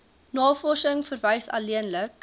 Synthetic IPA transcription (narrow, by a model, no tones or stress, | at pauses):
nɑːfɔsəŋfərvɛjsɑ̰liənlək